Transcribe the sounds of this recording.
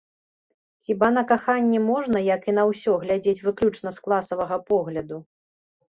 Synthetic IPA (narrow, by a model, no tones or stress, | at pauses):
xʲiban̪ɐkaxanʲːɛmɔʐnɐjɐkinɐwsʲɔɣlʲad͡zʲet͡sʲvɨklʲut͡ʂnɐsklˠasɐvɐɣɐpɔɣlʲɐd̪u